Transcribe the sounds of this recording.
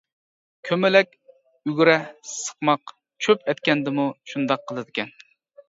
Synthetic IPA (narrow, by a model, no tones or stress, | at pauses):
kʲʰømɪlɛk̚ʲ | yɡʲɾɛsə̥qmɑq | t͡ʃʰøpɛt̪̚kʲɛnd̪ɪmuʃund̪ɑqʰːəlˠɨd̪ɪkʲɛn